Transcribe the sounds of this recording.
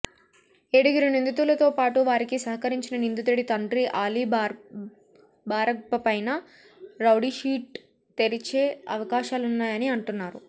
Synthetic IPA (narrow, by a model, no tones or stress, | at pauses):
eɽuɡiɾunind̪ut̪ulɐt̪o̞ːpaːʈuʋaːɾikisɐɦɐkɐɾiɲt͡ʃinɐnind̪ut̪eɽit̪ɐɳɖɾiʔaːliː | baːɾɐkpɐpɐjnɐ | ɾɐwɽiʃiːʈ̚ | t̪eɾit͡ʃe̞ːɐ̰ʋɐkaːʃaːlunːaːjɐniɐɳʈunːaːɾu